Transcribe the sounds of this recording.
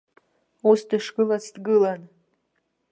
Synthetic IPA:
usdɨʂɡɨlat͡sʰtɡɨlan

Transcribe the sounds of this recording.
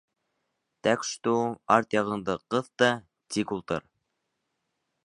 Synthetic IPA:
t̪ækʃt̪uɑɾt̪jɑʁɤ̆nd̪ɤqɤðt̪ɑ | t̪ikulˠt̪ɤɾ

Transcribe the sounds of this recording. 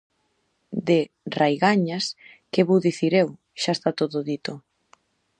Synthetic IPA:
d̪e | rajɣaɲas | keβowðiθiɾew | ʃaest̪at̪oðoðit̪o

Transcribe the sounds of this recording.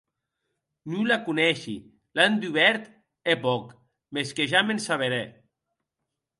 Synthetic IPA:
nulakunɛʃi | land̪uβɛɾt̪ | epɔk | meskeʒamensaβ̞eɾe

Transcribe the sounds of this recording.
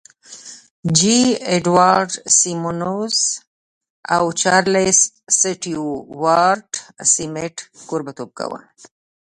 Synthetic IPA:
d͡ʒieɖwaɾɖsimonos | a̰wt͡ʃaɾles | siʈiuwaɾʈsimeʈkoɾbat̪ob̚ka̰wa̰

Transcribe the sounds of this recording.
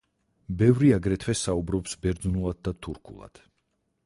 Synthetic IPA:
bɛvɾiaɡɾɛt̪ʰwɛsaubɾɔpsbɛɾd̪znulˠad̪̚d̪at̪ʰuɾkʰṵlˠa̰d̪̥

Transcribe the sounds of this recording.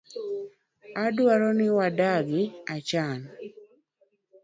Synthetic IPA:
adwaɾɔnɪwadaɡɪat͡ʃan

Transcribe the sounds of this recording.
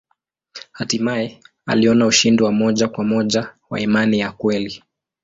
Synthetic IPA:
hatimaɛ | a̰liɔnauʃindiwamɔʄakwamɔʄawa̰imanijakwɛli

